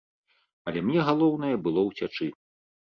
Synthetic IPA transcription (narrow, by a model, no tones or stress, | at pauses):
ɐlʲɛmnʲɛɣalˠɔwn̪ɐjɐbɨlˠɔwt͡sʲat͡ʂɨ